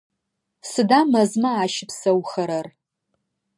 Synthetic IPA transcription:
sɨdaːmɐzmɐaːʃɪpsɐwxɐɾɐr

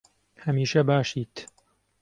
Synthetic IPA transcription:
hɐmiːʃɐbaːʃiːt̪

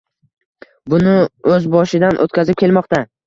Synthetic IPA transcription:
bʊnɪɵzbɒʃɪd̪anʔo̰t̪̚kʲʰazɪp̚kʲe̞lmɒqt̪a

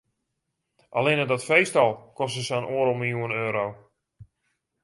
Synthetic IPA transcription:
ʔalɪnədɔtfejstɔlˠkɔstəsəanoəɾɔlˠməlˠjuənøːɾow

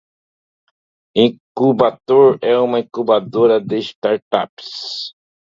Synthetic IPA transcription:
ĩkubat̪oɾɛũmɐĩkubad̪oɾɐd̪ɪst̪aɾt̪aps

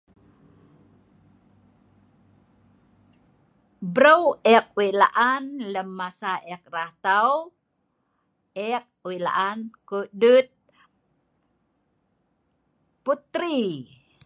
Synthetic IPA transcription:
bɾəwɛk̚wila̰ʔanləmːasaʔɛk̚rat̪aw | ɛk̚wila̰ʔankudut̪̚ | put̪ɾi

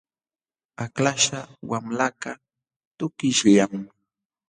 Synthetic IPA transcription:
aklaʃawamlaka | t̪ʊkɪʃʎam

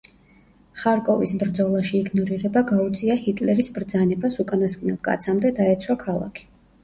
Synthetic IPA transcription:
χaɾkʼɔvisbɾd̪zɔlˠaʃiːɡnɔɾiɾɛbaɡaut̪sʼiahit̪ʼlɛɾisbɾd̪zanɛbasukʼanaskʼnɛlˠkʼa̰t̪sʰamd̪ɛd̪aɛt̪sʰwakʰalˠa̰kʰi̥

